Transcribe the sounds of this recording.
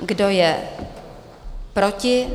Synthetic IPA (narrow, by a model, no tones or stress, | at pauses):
ɡdo̞jɛ | pɾocɪ